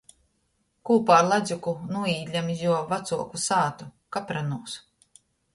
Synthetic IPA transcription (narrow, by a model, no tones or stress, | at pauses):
kuːpaːɾlˠad̪zʲukunuɔiːd̪ʲlʲamizjuɔvat̪suɔkusaːt̪ukapɾanuɔs